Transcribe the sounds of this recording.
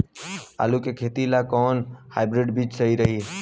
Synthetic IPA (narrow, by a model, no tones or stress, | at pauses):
a̰lukekʰet̪ilakɔnhaɪbɾiɖbʱit͡ʃsəiɾəɦi